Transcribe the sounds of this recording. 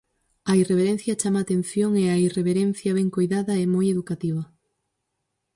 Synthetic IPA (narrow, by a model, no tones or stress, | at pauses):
ɐireβeɾẽn̟θjɐt͡ʃamaːt̪en̟θjoŋeaireβeɾen̟θjɐβɛŋkojðaðɐɛmojeðukat̪iβ̞ɐ